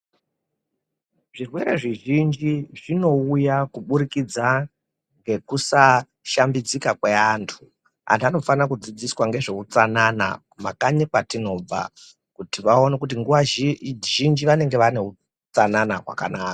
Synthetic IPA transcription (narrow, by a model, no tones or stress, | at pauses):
ʐirwe̞ɾe̞ʐiʒind͡ʒiʐino̞ujakuɓuɾikid͡za | ŋɡe̞kusa | ʃambid͡zikakweantʰu̥ | a̰ntʰano̞fanakud͡zid͡ziswaŋɡe̞ʐe̞ut͡sanana̰ | makaɲikwatino̞b͡va̰ | kutiʋao̞nek̬ut̬iŋɡuʋaʒind͡ʒiʋane̞ŋɡe̞ʋane̞u | t͡sananaɦwa̰kanaːka